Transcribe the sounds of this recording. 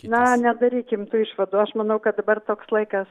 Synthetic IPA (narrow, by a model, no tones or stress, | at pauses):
nɐnʲɛd̪ɐɾʲiːkʲɪmt̪uːɪʃʋɐd̪uːɐʃmɐnɐʊkɐt̪̚d̪ɐbɐrt̪oːkslˠɐɪkɐs